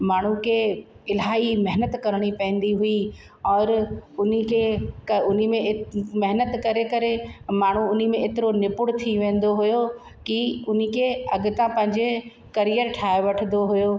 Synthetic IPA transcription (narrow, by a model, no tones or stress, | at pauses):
maːɳ̤ukʰe | ɪlɦaːimɐɦnət̪kɐɾɽ̃ipɛ̃ɦɪ̃n̆d̪iɦʊi | ɔːɾʊnikʰekʊnimẽmɛɦnət̪kɐɾekɐɾemaːɳ̤uʊn̤imẽeːt̪ɪɾonɪpʊɽt̪ʰiʋẽːn̆d̪oɦʊjo | kiʊn̤ikʰeɐɡt̪ãpɐ̃ɦɪ̃ɲd͡ʑe | kɐɾijəɾʈʰaːeʋɐʈʰnd̪oɦʊjoː